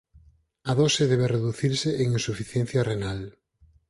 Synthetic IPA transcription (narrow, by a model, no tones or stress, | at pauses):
ɐðosɪðɛβereðuθiɾsɪʔeŋinsufiθjen̟θjɐrenal